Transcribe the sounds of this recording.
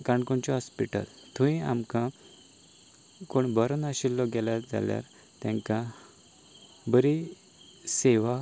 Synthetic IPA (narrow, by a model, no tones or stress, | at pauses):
kaɳkoɳt͡ɕɔɦɔspiʈə̰lt̪ʰuĩamkã | koɳbəɾənaɕilːɔɡɛlad͡za̰lja̰ɾ | t̪ãŋkã | bəɾi | seʋa